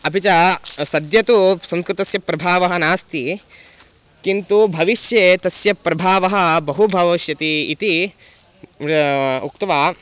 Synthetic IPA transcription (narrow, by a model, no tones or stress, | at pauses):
ɐpit͡ʃɐsɐd̪jɐt̪usɐ̃mskɾut̪ɐsjɐpɾɐbʱaːʋɐɦɐnaːst̪i | kint̪ubʱɐʋiʃjeːt̪ɐsjɐpːɾɐbʱaːʋɐɦɐ̆bɐɦubʱɐʋɐʃjɐt̪iːt̪i | uk̚t̪ɐʋaː